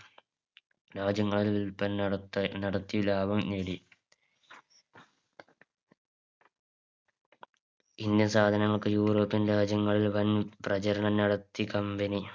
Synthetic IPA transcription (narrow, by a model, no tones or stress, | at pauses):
ɾaːd͡ʑɐŋːɐɭilʋilpːɐnnɐɽɐt̪ːilaːbɐmneːɽi | ind̪jɐnsaːd̪ʱɐnɐŋːɐɭkɨjuːro̞ːpːinɾaːd͡ʑɐŋːɐɭilʋɐnprɐt͡ɕɐɾɐɳɐnɐɽɐt̪ːikɐmbɐni